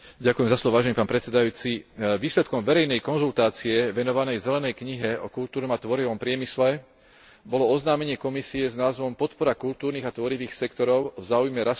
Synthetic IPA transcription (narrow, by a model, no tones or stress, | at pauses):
ɟakujɛmzaslɔʋɔʋaːʒɛnipaːnpɾɛt̪sɛd̪ajuːt͡siʋiːslɛt̪kɔmʋɛɾɛjnɛjkɔnzult̪aːt͡siɛʋɛnɔʋanɛjzɛlɛnɛjkɲiɦɛɔkult̪uːɾnɔmat̪ʋɔɾiʋɔmpɾɪɛmislɛ | bɔlɔɔznaːmɛɲɪɛkɔmisiɛznaːzʋɔmpɔt̪pɔɾakult̪uːɾniːɣat̪ʋɔɾiʋiːxsɛkt̪ɔɾɔʊvzaːujmɛɾas